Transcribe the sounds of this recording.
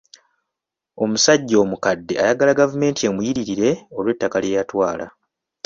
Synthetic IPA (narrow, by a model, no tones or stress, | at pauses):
o̞musaɟːo̞ːmukadːe̞ajaɡalaɡavume̞ːntʰie̞mujiɾiɾiɾe̞o̞lwe̞tːakaljejatwaːla̰